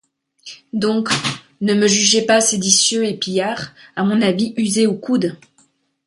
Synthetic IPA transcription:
d̪ɔ̃k | nəməʒyʒepased̪isjøepijaʁamɔ̃naviyzeukud̪

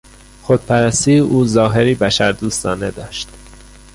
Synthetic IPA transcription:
xod̪̚pʰæɾæst̪iːʔuːzɒːɦeɾiːbæʃæɾd̪uːst̪ɒ̰ːned̪ɒːʃt̪

